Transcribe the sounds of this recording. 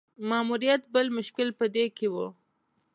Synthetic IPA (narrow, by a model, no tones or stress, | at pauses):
mɑːmuɾijat̪bəlmʊʃkɪlpəd̪ekʰewu